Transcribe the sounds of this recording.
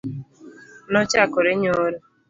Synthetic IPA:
nɔt͡ʃakoɾeɲoɾe

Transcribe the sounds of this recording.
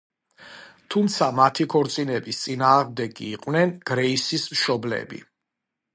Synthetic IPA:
t̪ʰumt̪sʰamat̪ʰikʰɔɾt̪sʼinɛbist̪sʼinaːʁmd̪ɛɡiːqʼwnɛnɡ̥ɾɛisismʃɔblɛ̰bḭ

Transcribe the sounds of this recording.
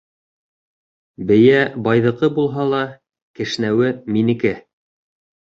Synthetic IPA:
bɘ̆jæbɑjðɤ̆qɤbulˠɦɑlˠɑ | kɘ̆ʃ̆næwɘminɘ̆kæ

